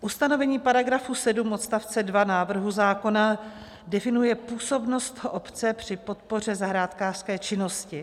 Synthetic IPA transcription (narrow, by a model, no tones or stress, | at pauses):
ʔust̪ano̞vɛɲiːpaɾaɡɾafusɛdumʔot̪st̪aft͡sɛdvanaːvr̩ɦuzaːko̞na | dɛfɪnujɛpuːso̞bno̞st̪hʔopt͡sɛpr̝̥ɪpo̞t̪po̞r̝ɛzaɦɾaːt̪kaːr̥skɛːt͡ʃɪno̞scɪ